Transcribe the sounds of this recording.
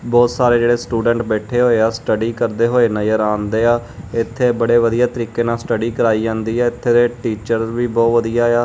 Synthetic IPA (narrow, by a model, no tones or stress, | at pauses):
bɔːt̪saːɾeːd͡ʒeːɽeːsʈuːɖəɳʈbɛːʈʰeːɦoːeːaːsʈəɖiːkəɾd̪eːɦoːeːnəjəɾãːnd̪eːaːɪt̪ʰːeːbəɽeːʋəd̪ijaːt̪əɾiːkeːnaːsʈəɖiːkəɾaːiːd͡ʒãːnd̪iːɛːɪt̪ʰːeːd̪eːʈiːt͡ʃəɾʋiːbɔːt̪ʋəd̪ijaːaː